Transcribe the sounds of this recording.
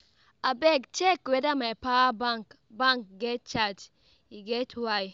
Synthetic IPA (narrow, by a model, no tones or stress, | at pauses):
abɛɡt͡ʃɛkwɛdamajpabaŋk | baŋk̚ɡɛt̚t͡ʃad͡ʒ | iɡɛtʰwaj